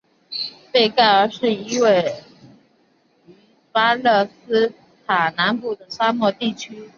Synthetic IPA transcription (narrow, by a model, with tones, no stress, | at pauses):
pe˥˧ɪka˥˩ɪə˞˧˥ʂɻ̩˥˩i˧˥we˥˩ɪ | y˧˥ | pa˥lɤ˥˩sɹ̩˥ | t̪ʰa˨˩na˧˥npu˨˩d̪ə˦sa˥mwɔ˥˧t̪i˥˩t͡ɕʰy˥